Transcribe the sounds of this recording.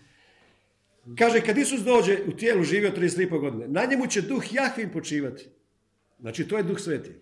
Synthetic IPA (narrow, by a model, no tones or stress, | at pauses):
kaːʒekad̪isus̬d̪o̞ːd͡ʑe̞ut̪jeːluʒiːʋiot̪ɾiest̪lipoɡo̞d̪inenaɲemut͡ɕe̞d̪uxjaxʋimpo̞t͡ʃiːʋat̪i̥ | zna̰ːt͡ʃit̪oːjed̪uxsʋeːt̪i